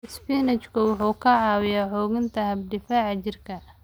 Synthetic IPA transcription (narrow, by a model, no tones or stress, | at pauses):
ɪspinɐt͡ʃkʰʊwɑħuːkʰɐʕɑːwɪjaħɔːɣɪnt̪ʰɐɦɐb̚ɖɪfaːʕɑt͡ʃɪrkʰɐ